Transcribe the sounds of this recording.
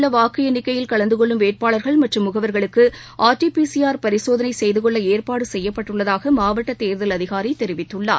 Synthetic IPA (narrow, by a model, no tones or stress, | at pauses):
ɭːɐʋaːkːɪjɐnɪkːɐjɪlkɐɭɐnd̪ɯkɔɭːɯmʋeːʈ̚paːɭɐɾɣɐɭmɐʈrɯmːʊɣɐʋɐɾɣɐɭɯkːɯ | ʔaːɾʈipiːsijaːɾpɐɾɪsoːðɐnɐɪsɛjðɯkɔɭːɐeːɾpaːɽɯsɛjːɐpːɐʈːɯɭːɐðaːɣɐmaːʋɐʈːɐt̪ːeːɾðɐlɐðɪɣaːɾɐɪt̪ːɛɾɪʋɪt̪ːɯɭːa̰ː